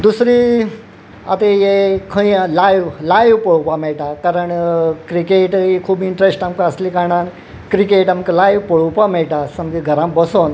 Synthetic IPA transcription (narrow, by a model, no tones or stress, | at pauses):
d̪usɾi | a̰t̪ejekʰə̃ĩlajʋlajʋpəɭupameɭʈakaɾəɳkɾikeʈikʰuːbiɳʈɾesʈamkaəslikaɳ̃an | kɾikeʈamkelajʋpəɭupameɭʈasəmkiɡʱəɾãmbəson